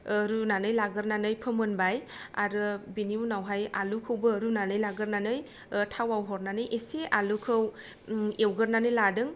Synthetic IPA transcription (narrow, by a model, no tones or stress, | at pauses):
ɾunanɯjlaɡɯɾnanɯjpʰɯmɯnbaja̰ɾɯbiniunawɦaja̰lukʰɯwbɯɾunanɯjlaɡɯɾnanɯj | tʰawawɦɔɾnanɯjʔesealukʰɯw | ewɡɯɾnanɯjladɯŋ